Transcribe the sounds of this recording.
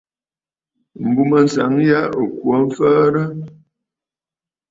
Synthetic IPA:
m̩˨bu˨mə˨n̩˨sa̰˨˦ŋja˦o˨kwo˨˦m̩˦fəː˦ɾə˦

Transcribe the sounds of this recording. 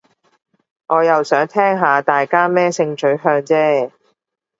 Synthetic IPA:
ŋʔɔː˨˧jɐ˨wsœː˨˥ŋt̪ʰɛː˥ŋɦaː˨˧t̪aː˨jkaː˥mɛː˥sɪ˧ŋt͡ʃɵ˨˥ɥɦœː˧ŋt͡sɛː˥

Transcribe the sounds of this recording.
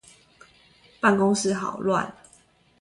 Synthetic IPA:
pa˥˨nko˥˦ŋs̩˥˧xɑ˨˩ʊlwa̰˥˨n

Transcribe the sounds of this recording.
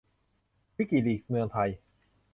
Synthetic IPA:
wi˦˥ki˨˩liː˨˩k̚mɯ˧əŋt̪ʰa˧j

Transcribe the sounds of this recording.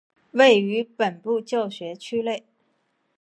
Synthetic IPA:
we˥˩ɪy˧˥pə˨˩npu˥˧t͡ɕjo˥˩ʊɕɥɛ˧˥t͡ɕʰy˥le˥˩ɪ

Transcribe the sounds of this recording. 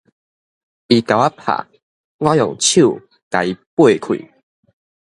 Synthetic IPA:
i˨ka˨˩wa˦pʰa̰˨ | ŋwã˦jɔ˨˩ŋt͡ɕʰju˥˨ | ka˨i˨˦pwe˥˨kʰwḭ˨

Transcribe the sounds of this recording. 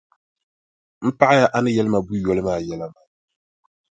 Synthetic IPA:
m̩˦pa˦ʔa˦ja˦ʔa˦nɨ˦jɛ˦lɨ˦ma˨bu˦jɔ˨lɨ˦maː˦˨jɛ˦la˦maː˨

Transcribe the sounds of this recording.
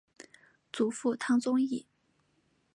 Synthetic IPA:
t͡su˨˥fu˥˩t̪ʰɑ˥ŋt͡sʊ˥ŋi˥˩

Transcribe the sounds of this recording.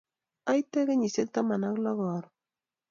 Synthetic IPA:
a˦jtɛ˦kɛ˦ɲi˨se˦k̚ta˦ma˨na˦klɔ˦ɣɔ˨ɾ

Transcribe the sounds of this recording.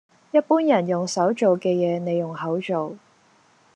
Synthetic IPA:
jɐ˥t̚puː˥njɐ˨˩njʊ˨ŋsɐ˨˥wt͡ʃo˨wkɛː˧jɛː˨˧ne˨˧jːʊ˨˩ŋɦɐ˨˥wt͡ʃo˨w

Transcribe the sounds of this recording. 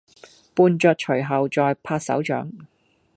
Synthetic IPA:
puː˧nt͡ʃœː˧t̚t͡ʃʰɵ˨˩ɦɐ˨wt͡sɔː˧jpʰaː˧t̚sɐ̰˨˥wt͡ʃœ̰ː˨˥ŋ

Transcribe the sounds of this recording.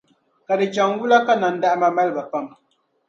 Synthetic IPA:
ka˨dɨ˨t͡ʃa˨ŋ˦wu˦la˦ka˦na˨n̩˦da˦ʔma˨ma˦lba˨pa˦m

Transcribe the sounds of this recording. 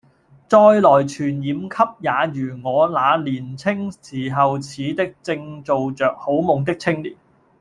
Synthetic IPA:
t͡sɔː˧jlɔː˨˩jt͡ʃʰyː˨˩njiː˨˧mkʰɐ˥p̚jaː˨˧jyː˨˩ŋɔː˨˧laː˨˧liː˨˩nt͡sʰɪ˥ŋsiː˨˩ɦɐ˨wt͡sʰiː˨˧t̪ɪ˥k̚t͡sɪ˧ŋt͡so˨wt͡sœː˨k̚ho˨˥wmʊ˨˩ŋt̪ɪ˥k̚t͡sʰɪ˥ŋliː˨˩t̚

